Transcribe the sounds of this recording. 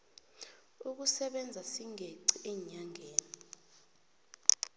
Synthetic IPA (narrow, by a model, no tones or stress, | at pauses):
uk̬usɛɓɛnd͡zʱasiŋʱeǀiʔɛɲaŋʱeːnii